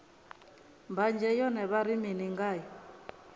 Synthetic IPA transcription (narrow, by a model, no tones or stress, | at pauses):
mband͡ʒɛjɔnɛβaɾiminiŋɡaːjɔ